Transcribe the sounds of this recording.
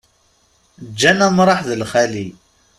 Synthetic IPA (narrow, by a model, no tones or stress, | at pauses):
d͡ʒːænæmɾˤɑħðəlχæli